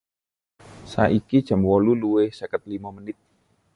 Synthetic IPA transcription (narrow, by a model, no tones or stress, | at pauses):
sa̰ʔikid̥ʒ̥a̤mwɔluluwɪhsəkət̪̚limamənɪt̪̚